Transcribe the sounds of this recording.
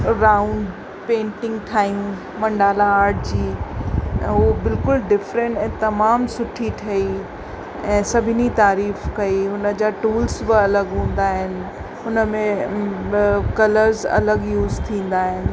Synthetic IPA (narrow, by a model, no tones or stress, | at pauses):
ɾaːʊ̃ɳɖ | pẽːɳʈɪ̃ŋɡʈʰaːijũ | mɐ̃ɳɖaːlaaːɾʈd͡ʑĩː | ɦobɪlkʊlɖɪfɾə̃ɳʈɛ̃ːt̪ɐmaːmsʊʈʰiʈʰɐi | ɛ̃ːsɐbʱɪnit̪aːɾiːfkɐiɦʊnə̆d͡ʑaːʈuːlsbɪɐləɡɦũːn̆d̪aːɦɪnɪ̆ | ɦʊnə̆mẽ | kɐləɾzɐ̰ləɡjuːzt̪ʰĩːn̆d̪aːɦɪnɪ̆